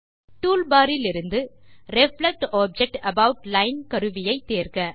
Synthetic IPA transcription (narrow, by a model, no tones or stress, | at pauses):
ʈuːlbaːɾɪlɪɾɯnd̪ɯɾɛflɛk̚ʈaːb̚d͡ʒɛk̚ʈɐbɐʊʈlɐɪnkɐɾɯʋɪjɐɪt̪ːeːɾkɐ